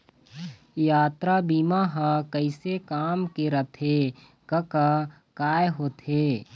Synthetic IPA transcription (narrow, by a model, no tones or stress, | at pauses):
jaːt̪ɾabiːmaɦãkəɪsekaːmkeɾət̪ʰe | kəka | kaːjɦoːt̪ʰeː